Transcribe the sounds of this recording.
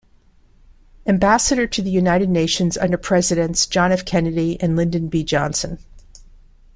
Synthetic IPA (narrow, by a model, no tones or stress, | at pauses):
ɨ̃mbæsɨɾə˞ɾʰɨðɨjʉnaɪɾɨdⁿneɪʃɨ̃nzʌ̰̃ndə˞pʰɹ̥ɛzɨɾɨ̃nsd̥ʒ̥ɑnɨfkʰɛnɨɾiʔɨ̃nlɪ̃ndɨ̃nbid͡ʒɑ̃nsɨ̃n